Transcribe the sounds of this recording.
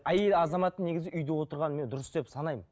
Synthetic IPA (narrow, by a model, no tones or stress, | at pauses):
æjelɑzɑmɑt̪əne̞ɡʲɪzɪʔʏjd̪ewo̞t̪əɾʁɑnme̞nd̪ʊɾəsd̪e̞psɑnɑjmən